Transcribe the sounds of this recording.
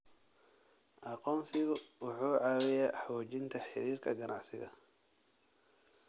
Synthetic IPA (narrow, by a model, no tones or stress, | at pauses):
ʔɑqɔːnsɪɣʊwʊħuːʕɑːwɪjaħɔːt͡ʃɪnt̪ʰɐħɪɾiːrkʰɐɡɐnʔa̰ʕsɪ̰ɣɐ̰